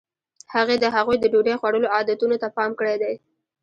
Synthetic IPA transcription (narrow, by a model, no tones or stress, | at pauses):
haɣed̪əɦaɣujd̪əɖoɖajxwaɽəloɑd̪at̪unot̪apɑmkəɽed̪aj